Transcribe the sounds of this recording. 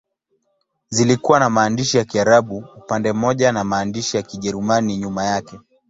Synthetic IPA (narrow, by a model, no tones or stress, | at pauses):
zilikuwanamaːndiʃijakiaɾaɓuupandɛm̩mɔʄanamaːndiʃijakiʄɛɾumaniɲumajakɛ